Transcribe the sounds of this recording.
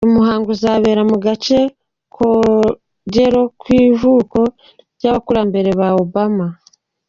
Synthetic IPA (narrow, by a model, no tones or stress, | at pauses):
umuɦaːŋɡuzaːβe̞ːɾamuɡace̞ | kʰo | ɟeɾo̞kwiːvuːko̞ | ɟaβakuɾambe̞ɾe̞βaobama